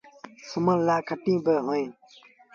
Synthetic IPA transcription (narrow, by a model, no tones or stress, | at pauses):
sʊməllaːkʰəʈĩːbəɦoːẽː